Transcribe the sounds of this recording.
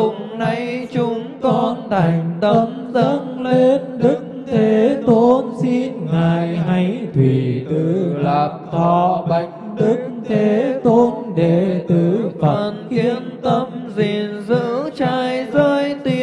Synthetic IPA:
ʊ˨˩ŋ͡mna˨˧˩jt͡ɕʊ˨˦ŋ͡mkɔ˧nt̪ʰa˨˩jŋ̟t̪ə˧mzə˧˦˧nle˧nɗɨ˦˥k̚t̪ʰe˨˦t̪o˧˦nsi˧nŋaː˨˩jɦa˧˦jt̪ʰwi˨˩t̪ɨ˧˨˩laː˨˩p̚t̪ʰɔ˧˨ɓa˧˩jk̟ɗɨ˦˥k̚t̪ʰe˨˦t̪o˧nɗe˨˩t̪ɨ˨˩fə˨˩˧nkii˧ənt̪ə˧mzi˨˩ənzɨ̰˧˥t͡ɕaː˧jzəː˧jt̪i˧˩

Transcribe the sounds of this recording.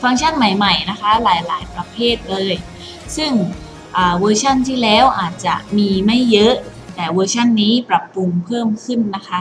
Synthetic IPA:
fa˧ŋt͡ɕʰa˥˩nma˨˩jma˨˩jna˦˥kʰa˦˥laː˩˦jlaː˩˦jpɾa˧pʰeː˥˩t̪̚lɤː˧j | sɯ˥˩ŋ | ʔɤː˨˩wɤː˧t͡ɕʰa˥˩nt̪ʰiː˥˩lɛː˦˥wʔaː˨˩t̪̚t͡ɕa˨˩miː˧ma˥˩jːɤ˦˥ʔ | t̪ɛː˨˩wɤː˧t͡ɕʰa˥˩nːiː˦˥pɾa˨˩pːu˧ŋpʰɤː˥˩mkʰɯ˥˩nːa˦˥kʰa˦˥

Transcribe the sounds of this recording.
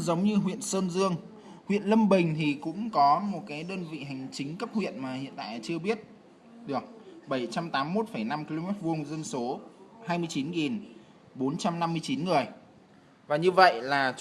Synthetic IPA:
zə˨˦wŋ͡mɲɨ˧ɦwḭ˧˨ənsəː˧nzɨ˧əŋ | hwḭ˧˨ənlə˧mɓï˨˩ŋ̟t̪ʰi˨˩kʊ̰˧˥ŋ͡mkɔ˨˦mo˨˩t̚kaː˨˦jɗəː˧nvḭ˧˨ɦa˨˩jŋ̟t͡ɕï˨˦ŋ̟kə˦˥p̚hwḭ˧˨ənmaː˨˩hḭ˧˨ənt̪a̰ː˧˨jt͡ɕɨ˧əɓi˦˥ət̚ | ɗɨ˨˩ək̚ɓə˧˩jt͡ɕa˧mt̪aː˨˦mːo˦˥t̚fə˧˩jna˧mki˧lo˧mɛ˦˥t̚vu˧əŋzə˧nso˨˦haː˧jmɨ˧ət͡ɕi˨˦nɣi˨˩n | ɓo˨˦nt͡ɕa˧mna˧mːɨ˧əjt͡ɕi˨˦nŋɨ˨˩əj | vaː˨˩ɲɨ˧və̰˧˨jlaː˨˩

